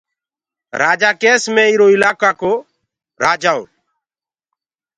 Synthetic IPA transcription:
ɾaːd͡ʒaːkeːsmɛ̃ːɪɾoːɪlaːkaːkoː | ɾaːd͡ʒaːo̰ː

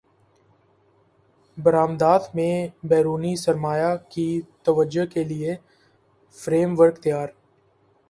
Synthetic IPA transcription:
bəɾaːmd̪aːt̪mẽbɛːɾuːnisəɾmaːjakit̪əʋəd͡ʒokelɪe | fɾeːmʋəɾkt̪ijaːɾ

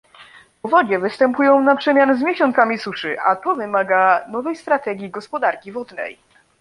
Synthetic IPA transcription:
pɔvɔd͡ʑɛvɘst̪ɛmpujɔ̃w̃napʂɛmʲjanzmʲjɛɕɔnt̪samʲisuʂɘʔa̰t̪ɔvɘmaɡanɔvɛjst̪ɾat̪ɛɡʲiɡɔspɔd̪aɾkʲivɔd̪nɛ̰j

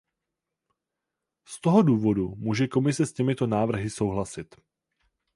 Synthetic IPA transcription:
st̪o̞ɦo̞duːvo̞dumuːʒɛko̞mɪsɛscɛmɪt̪o̞naːvr̩ɦɪso̞wɦlasɪt̪

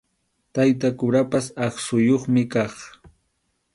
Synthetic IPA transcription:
t̪ajt̪̬akʊɾapasɑχsʊjoχmɪkɑχ

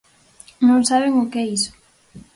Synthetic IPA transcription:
nõŋsaβ̞eŋʊkɛisʊ̥

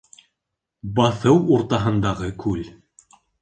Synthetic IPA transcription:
bɑθɤwuɾt̪ɑɦɤ̆nd̪ɑʁɤkʰʉl

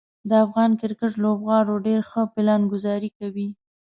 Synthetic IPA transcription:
d̪əafɣɑnkɪɾkəʈlobɣɑɾoɖeɾxəpɪlɑnɡʊzɑɾikawi

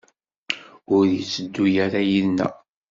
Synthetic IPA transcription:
ʊɾjit͡sːəd̪ːujaɾæjiðnæ̰

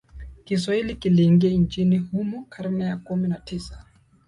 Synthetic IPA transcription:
kis̬wahilikiliŋɡiɛnt͡ʃinihumɔkʰaɾmɛjakuminatʰisḁ

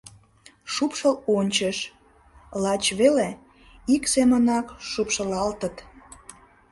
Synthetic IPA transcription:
ʃupʃəlonʲt͡ɕəʃ | lɑt͡ɕβele | iksemənɑkʃupʃəlɑlt̪ət̪

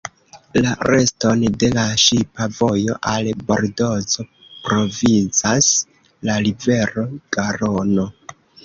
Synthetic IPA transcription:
laɾe̞sto̞nde̞laʃipavo̞jo̞̰ʔalbo̞̰ɾdo̞zo̞ | pɾo̞vint͡sas | lalive̞ɾo̞ɡ̥aɾono̞

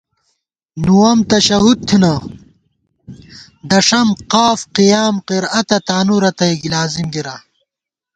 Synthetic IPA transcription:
nuwɐmt̪ɐɕɐɦud̪̚t̪ʰinɐ | d̪ɐʂɐmqaːfqijaːmqiɾɐt̪ɐt̪aːnuɾɐt̪ɐiɡlaːzimɡiɾa

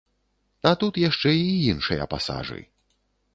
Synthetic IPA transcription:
ɐt̪ut̪jaʂt͡ʂɛijinʂɨjɐ̰pa̰sa̰ʐɨ̰j

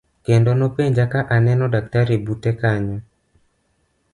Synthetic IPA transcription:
kendonopeɲd͡ʒakaʔanɛnɔdak̚taɾebutɛkaɲɔ

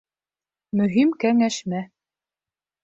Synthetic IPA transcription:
mɵ̆ɦimkæŋæʃmæ

